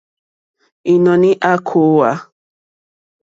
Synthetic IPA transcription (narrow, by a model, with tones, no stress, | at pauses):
i˨nɔ̃˨nĩ˦ʔa˦kʰo˨˦wa˦